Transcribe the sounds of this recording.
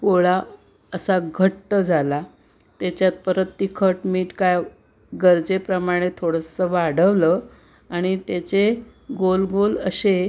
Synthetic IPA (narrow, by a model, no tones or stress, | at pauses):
koɭa | əsaɡʱəʈːəd͡zʱala | t̪jat͡ɕjat̪̚pəɾət̪ːikʰəʈmiːʈkaj | ɡəɾd͡zepɾəmaɽ̃et̪ʰoɽəsəʋaɽ̤əʋlə | aɽ̃it̪jat͡ɕe | ɡolɡolə̰se